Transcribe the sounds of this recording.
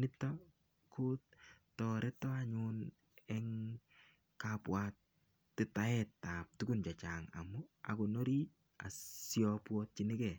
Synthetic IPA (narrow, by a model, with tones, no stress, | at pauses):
nɪ˦tːɔ | kʰu˦t̚tːɔɾɛ˦tɔ˦a˦ɲun | ɛ˦ŋ | kapwa˨t | tːɪ˦ta˦ɛtːa˨p̚tu˦ku˦nt͡ʃa˨t͡ʃaːŋa̰˨mʊ˦a̰˨ko˨no˦ɾi˦ | a̰˨sjɔpwɔ˦t̚t͡ʃi˦nɪ˦kɛ˨